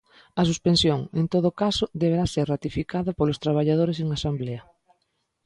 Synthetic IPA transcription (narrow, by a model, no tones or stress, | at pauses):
ɐs̬uspẽnsjoŋent̪oðokasʊðeβ̞eɾaseɾrat̪ifikaðɐpolʊst̪ɾaβ̞aʎað̞oɾes̬eŋasambleɐ